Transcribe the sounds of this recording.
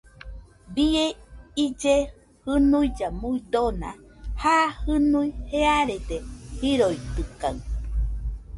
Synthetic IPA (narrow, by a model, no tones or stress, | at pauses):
bieid͡ʒe | hɨnujd͡ʒamuid̪ona̰hahɨnuiheaɾed̪ehiɾojt̪ɨka̰ɨ